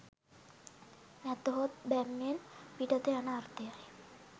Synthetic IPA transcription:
nɛt̪oɦot̪bæmːenpiʈət̪eanəːrt̪ejaj

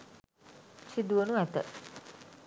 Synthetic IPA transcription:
sid̪uʋənuɛt̪ə̰

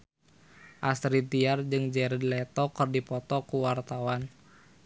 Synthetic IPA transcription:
ʔast̪ɾit̪iard͡ʒɨŋd͡ʒɛɾədlɛt̪ɔkərdipɔt̪ɔkuwart̪awan

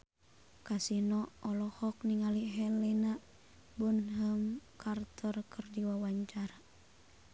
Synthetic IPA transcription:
kasinɔɔlɔhɔk̚niŋaliɦɛlɛna | bunɦəmkʰart̪ʰɔrkərdiwawaɲt͡ʃaɾa

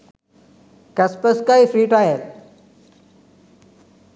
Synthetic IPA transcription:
kɐspəskaːifɾiːʈaːɦel

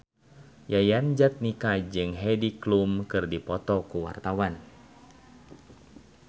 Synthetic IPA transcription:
jajand͡ʒat̪̚nikad͡ʒɨŋɦɛdiklumkɨrdipɔt̪ɔkuwa̰rt̪awan

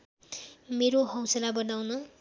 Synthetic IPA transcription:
meɾoɦʌw̃sʌlabʌnawnʌ

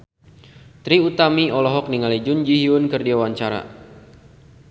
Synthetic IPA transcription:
t̪ɾiut̪amiɔlɔɦɔk̚niŋalid͡ʒund͡ʒiɦiʊnkɨrdiawaɲt͡ʃaɾa̰

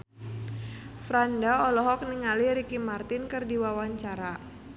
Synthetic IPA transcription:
fɾandaɔlɔɦɔk̚niŋaliɾikimart̪ɪnkɨrdiwawaɲt͡ʃaɾa

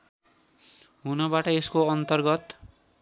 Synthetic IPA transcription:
ɦunʌbaʈʌeskoʌnt̪ʌrɡʌt̪

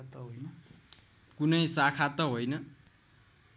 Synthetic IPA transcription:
t̪ʌɦojnʌ | kunʌjsakʰat̪ʌɦojnʌ

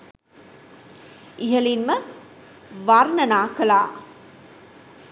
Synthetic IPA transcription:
iɦəlinmə | ʋarnənaːkəlaː

